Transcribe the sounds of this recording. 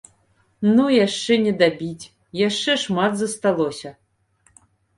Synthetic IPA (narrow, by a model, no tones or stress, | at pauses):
nujaʂt͡ʂɛnʲɛd̪abʲit͡sʲ | jaʂt͡ʂɛʂmat̪zɐst̪alˠɔsʲɐ